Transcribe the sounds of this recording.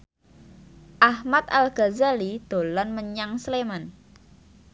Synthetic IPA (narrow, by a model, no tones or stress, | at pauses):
ʔahmat̪̚alɡ̥azalid̪̥o̤lanməɲaŋsleman